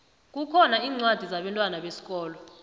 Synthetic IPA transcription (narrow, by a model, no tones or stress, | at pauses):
k̬ʼukʰɔnaiːŋ͡ǀwad̥ʱizaɓɛntʼwanaɓesi̥k̬ʼɔːlɔ